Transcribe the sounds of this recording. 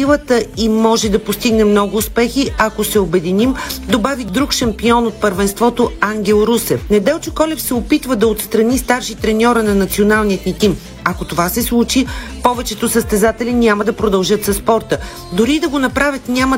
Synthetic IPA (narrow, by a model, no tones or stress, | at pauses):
ilˠət̪əimɔʒɛd̪ɐpost̪iɡnɛmnɔɡʊːspɛxiɐkosɛobɛd̪inimd̪obavid̪ɾukʃɐmpiɔnot̪̚pəɾvɛnst̪vɔt̪oaŋɡʲɛlˠɾusɛfnɛd̪ɛlˠt͡ʃo̥kɔlʲɛfsɛopit̪vəd̪ɐot̪st̪ɾɐnist̪aɾʃit̪ɾɛnʲɔɾənɐnɐt̪sionalˠnijət̪nit̪im | ɐkot̪ovasɛslˠut͡ʃipɔvɛt͡ʃɛt̪osəst̪ɛzat̪ɛlʲɛnʲaməd̪ɐpɾod̪ɐlˠʒɤt̪sɐspɔɾt̪ə | d̪ʊɾid̪ɐɡonɐpɾavʲət̪nʲamə